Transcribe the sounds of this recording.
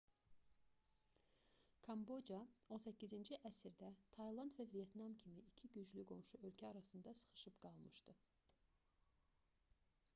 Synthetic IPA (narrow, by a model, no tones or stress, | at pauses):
kʰɑmbo̞d͡ʒɑo̞nsæcʰːizind͡ʒiʔæsiɾd̪æt̪ʰɑjlˠɑnd̪vævije̞t̪nɑmcʰimiːcʰiɟyd͡ʒlyɡo̞nʃuø̞lcʰæɑɾɑsɯnd̪ɑsɯ̥χɯ̥ʃɯpɡ̥ɑlˠmɯʃt̪ɯ